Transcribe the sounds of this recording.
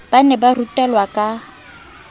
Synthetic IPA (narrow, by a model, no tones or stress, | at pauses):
b̥anɛbarutʼɛlwakʼa